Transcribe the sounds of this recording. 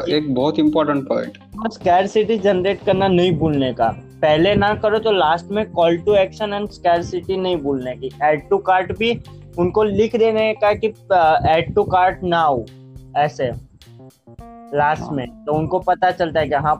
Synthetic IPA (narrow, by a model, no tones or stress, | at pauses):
eːk̚bɔːʊt̪ɪ̃mpɔːɾʈə̃ɳʈpɔ̰̃ːɪ̃ɳʈ | ɔskɛːɾsɪʈid͡ʒɐnɾeːʈkɐɾnanɐɦĩbuːlneka̰pɛɦlenɐkɐɾot̪olaːsʈmẽkɔːlʈuɛːkʃənɐnskɛːɾsɪʈinɐɦĩbuːlnekiɛːɖ̚ʈukaːɾʈbʱi | ʊnkolɪkʰd̪enekakiɛːɖ̚ʈukaːɾʈnaɦoː | ɛːse | laːsʈmẽt̪oʊnkopɐt̪at͡ʃɐlt̪aɦɛkijɐɦã